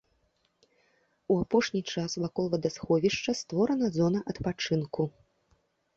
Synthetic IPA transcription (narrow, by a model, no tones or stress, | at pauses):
uapɔʂnʲit͡ʂasvakɔlˠvɐd̪asxɔvʲiʂt͡ʂɐst̪vɔɾɐnɐzɔnɐʔɐt̪pat͡ʂɨnku